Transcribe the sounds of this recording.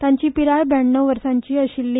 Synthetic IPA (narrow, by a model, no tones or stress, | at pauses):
t̪jãɲt͡ɕiːpiɾajbɛɳːoʋəɾsaɲt͡ɕiːəɕilːi